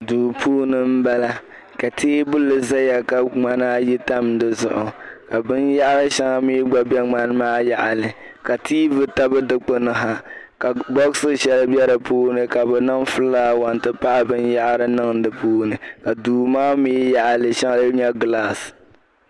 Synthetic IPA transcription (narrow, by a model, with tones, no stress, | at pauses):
duː˨pʰuː˦nɨ˨m̩˦ba˦la˦ | ka˨tʰeː˦bʊ˦lːɨ˨za˦ja˨ka˨ŋ͡ma˦na˦ji˦ta˦mdɨ˦zʊ˨ʔʊ˨ka˨bɨ˦nja˦ʔa˦ɾɨ˦ʃa˦ŋa˦miː˦ɡ͡ba˦bɛ˦ŋ͡ma˦n˦maː˦ja˦ʔa˨lɨ˨ | ka˨tiː˦vɨ˦ta˦bɨ˦dɨ˦k͡po˦nɨ˦ɦa˨ | ka˨ɡ͡bɔ˦ɣsɨ˦ʃɛ˦lɨ˦bɛ˦ɾɨ˨puː˦nɨ˨ka˨bɛ˨nɨ˦ŋfɨ˦lːaː˦wa˨ntɨ˦pa˦ʔa˦bɨ˦nja˦ʔa˦ɾɨ˦nɨ˦ŋ˦dɨ˨puː˦nɨ˨ka˨duː˨maː˦miː˦ja˦ʔa˨lɨ˨ʃa˦ŋa˦lɨ˦ɲɛ˦ɡlaː˦˨s